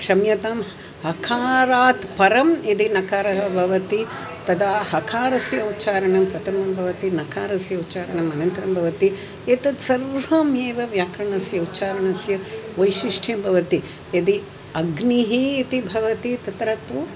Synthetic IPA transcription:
kʂɐmjɐt̪am | hɐkʰaːɾaːt̪pɐɾɐmid̪inɐkaːɾɐɦɐbʱɐʋɐt̪i | t̪ɐd̪aːhɐkʰaːɾɐsjɐut̪ːt͡ʃaːɾɐɳɐmpɾɐt̪ʰɐmɐmbʱɐʋɐt̪inɐkʰaːɾɐsjɐut̪ːt͡ʃaːɾɐɳɐmɐnɐnt̪ɐɾɐmbʱɐʋɐt̪i | et̪ɐt̪sɐɾʋɐmeːʋɐʋjaːkɾɐɳɐsjɐut̪ːt͡ʃaːɾɐɳɐsjɐʋɐjʃiʂʈʰjɐmbʱɐʋɐt̪i | ɐd̪i | ɐɡniɦiːt̪ibʱɐʋɐt̪it̪ɐt̪ɾɐt̪u

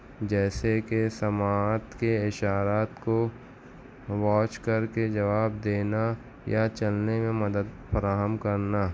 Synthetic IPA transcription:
d͡ʒɛːsekesɐmaːt̪keɪʃaːɾaːt̪ko | ʋɔːt͡ʃkɐɾked͡ʒɐʋaːbd̪eːna | jat͡ʃɐlnemẽmɐd̪əd̪fɐɾaːɦəmkɐɾnaː

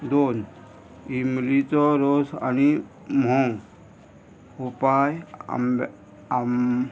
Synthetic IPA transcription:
d̪on | imlit͡sɔɾosa̰ni | mɔ̃ŋ | upaj̰m | m

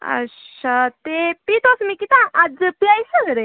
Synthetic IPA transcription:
ə̰at̪epit̪osmikit̪ãʔad͡zəpiajsəɡəɾe

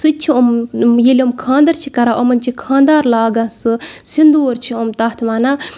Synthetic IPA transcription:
sɨt͡ʃʰiomjelʲomkʰãːnd̪ɐɾt͡ʃʰikɐɾaːʔomɐnt͡ʃʰikʰãːnd̪aːɾlaːɡãːsɨsind̪oːɾt͡ʃʰiomt̪ɐːt̪ʰʋaːnaː

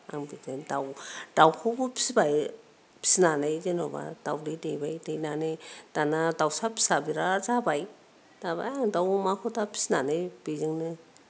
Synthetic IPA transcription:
a̰ŋbizɯŋdawd̥awkʰubupʰi̥sbaj | pʰi̥snanajzenoba̰d̥awdɯdejbajdejnanɯd̥anadawsapʰi̥sabiɾazabaj | d̥aba̰jaŋdawmakʰɔtapʰi̥snanɯjb̥izɯŋnɯ

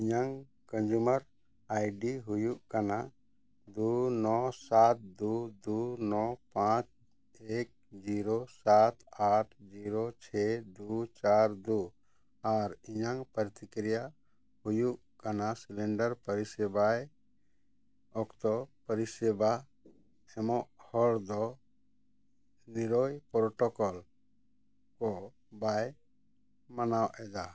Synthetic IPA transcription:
iɲaŋ | kə̃nd͡ʒuməɾ | ajɖiɦujuʔkana | d̪unɔsat̪̚d̪ud̪unɔpãt͡ʃ | ek̚d͡ʒiɾosat̪aʈʰd͡ʒiɾot͡ʃʰɛd̪ut͡ʃaɾd̪u | aɾiɲaŋpəɾt̪ikɾija | hujuʔ | kanasilɛɳɖəɾpəɾisɛbaj | ɔkt̪ɔpəɾisɛba | ɛmɔʔhɔɽd̪ɔ | niɾojpɾɔʈɔkɔl | kɔ | baj | mənawɛd͡ʒ̪a

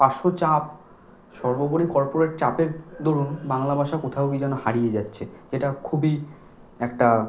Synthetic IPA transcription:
paʃot͡ɕap̚ | ʃɔɾboboɽikɔɾpoɾeʈ̚t͡ɕapeɾd̪oɾunbaŋlabʱaʃakot̪ʰaokid͡ʑɛnohaɽijed͡ʑatːɕʰed͡ʑeʈakʰubi | ɛk̚ʈa

